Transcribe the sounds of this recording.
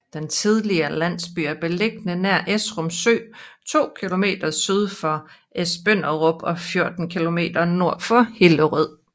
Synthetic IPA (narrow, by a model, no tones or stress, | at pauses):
d̥ent͡sʰið̞ˠliɐlæn̰sb̥y̰ːæɐb̥e̝leɡ̥nənæɐ̰ʔesʁɔmsø̰ːt͡sʰo̝̰ːkʰilo̝me̝̰ːd̥ɐsyːð̞ˠfɒ̽ | ʔesb̥øn̰ɐʁɔ̽b̥ɒ̽fjo̝ɐd̥n̩kʰilo̝me̝̰ːd̥ɐno̝ɐ̰fɒ̽he̝ləʁið̰ˠ